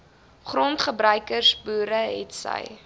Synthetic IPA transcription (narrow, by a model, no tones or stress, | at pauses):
χrɔntχəbɾœɥkərsbuːɾəɦɛ̰tsə̰j